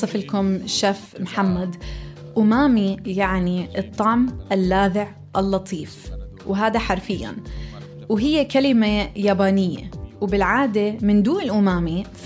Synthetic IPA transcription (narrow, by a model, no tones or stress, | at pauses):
ɨfɪlkʊmʃaːfmħamːad̪ | ʔʊmaːmijaʕniʔɨt̪ˤːɑʕmʔɪlːaːðɪʕ | ʔɪlːɑt̪ʰˤiːf | wɦaːd̪aħaɾˤfɪjːa̰n | wɦɪjːekalɪmajaːbaːnɪjːḛwbɪlʕaːd̪emɪnd̪uːnɪlʔʊmaːmi